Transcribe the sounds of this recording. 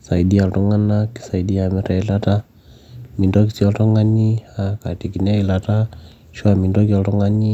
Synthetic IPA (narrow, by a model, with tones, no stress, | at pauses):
sa˨i˨di˦a˨ltɔ˦ŋa˦na˦ki̥˨sa˨i˨di˦a˨mɛ˨ɾɛ˨i˦la˦ta˦ | mi˨ndo˦ki˦si˦ɔ˦ltɔ˦ŋa˦ɲi˦haka˨ti˨ki˨nɛ˦i˨lata˦ | ʃwa˨mi˨ndo˦ki˦ɔ˨ltɔ˦ŋa˦ɲi˦